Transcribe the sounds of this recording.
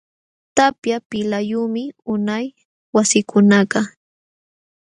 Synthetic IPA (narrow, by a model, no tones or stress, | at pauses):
t̪apjapɪlajuːmɪʊnaj | wasɪkʰʊnɑɢɑ